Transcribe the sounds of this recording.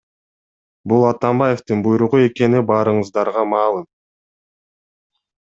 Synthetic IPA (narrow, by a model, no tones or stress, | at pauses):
bulˠɑt̪ɑmbɑje̞ft̪ɯnbujɾuʁue̞ke̞nibɑːɾɯɴɯzd̪ɑɾʁɑmɑːlˠɯm